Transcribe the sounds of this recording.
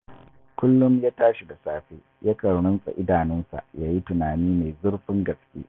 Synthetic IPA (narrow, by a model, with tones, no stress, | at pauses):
kʷʊ˦lːʊ˦mjaː˦taː˦ʃi˨da˨saː˦ɸeː˦ | ja˦kɐ˨ɽʊ˦nsʼa̰˨ʔɪ˦daː˨nɪ˦nsa̰˨ʔjaː˦ji˦tʊ˨naː˨niː˦me˨jzʊ˦rɸɪ˦ŋɡɐ˨skʲʼḛː˦